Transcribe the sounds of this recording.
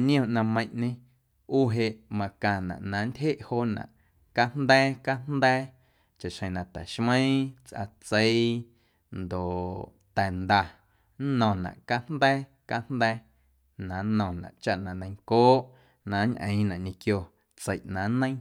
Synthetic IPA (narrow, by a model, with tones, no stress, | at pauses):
nĩ˦õ˧˨ʔnã˧mə̃˧j̃ʔɲẽ˧ | uː˦˨ɦe˧ʔmã˧kã˧˨nã̰˨ʔnã˨˦ndʲhe˦ʔhoː˦ʔnã̰˨ʔ | ka˦n̥nd̪ɛː˦ka˦n̥nd̪ɛː˦ | t͡ʃa˨ʔʃhə̃˧˨nã˨t̪ɛ̰˨ʃmə̃˦ĩ˦t͡sʔa̰˧t͡sə˦i | nd̪o˨ʔ | t̪ɛ˨nd̪a˧ | nɔ̃˨nã̰˨ʔka˦n̥nd̪ɛː˦ | ka˧n̥d̪ɛː˦ | nã˨˦nɔ̃˨nã̰˨ʔt͡ʃa˦ʔnã˨nə̃˧j̃ŋkoː˦ʔ | nã˨˦ɲʔə̰̃˨ĩ˦nã˨ʔɲẽ˧kjo˧ | t͡sə˨ʔnã˨˦nə̃˦j̃